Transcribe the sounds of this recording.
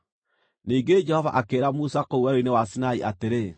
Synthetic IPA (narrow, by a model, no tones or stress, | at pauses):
niːŋɡed͡ʒɛhɔva̰ʔakeːɾamusakouaɾoinewasinaiʔateɾe